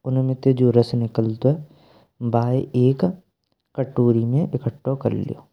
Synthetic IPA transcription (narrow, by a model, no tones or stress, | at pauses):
ʊnmẽt̪ed͡ʒoːɾɐsnɪkəlt̪oɦɛ | baːeeːk | kɐʈːoːɾimẽʔɪkəʈːokɐ̰ɾlḭjo̰ː